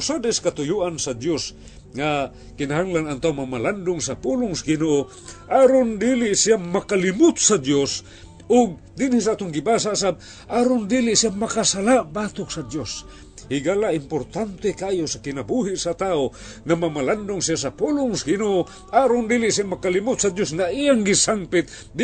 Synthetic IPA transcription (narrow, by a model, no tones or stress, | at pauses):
sad̪ɛskat̪ʊjuʔansad̪jos | ŋa | kɪnaɦaŋlanaŋt̪aːoŋmamaland̪ʊŋsapulʊŋsɡɪnoʔo | ʔaɾond̪ilɪʔsijamakalɪmʊt̪̚sad̪jos | ʊɡ̚ | d̪inhis̬aaːt̪ʊŋɡɪbas̬aʔsab̚ | ʔaɾond̪ilɪʔsiamakasalaʔbat̪ʊk̚sad̪jos | hɪɡalaʔɪmpoɾt̪ant̪ekaajosakɪnabuɦɪʔsat̪ao | ŋamamaland̪ʊŋsias̬apulʊŋsaɡɪnoʔo | ʔaɾond̪ilɪʔsijamakalimʊt̪̚sad̪josŋaʔijaŋɡɪsampɪt̪̚ | d̪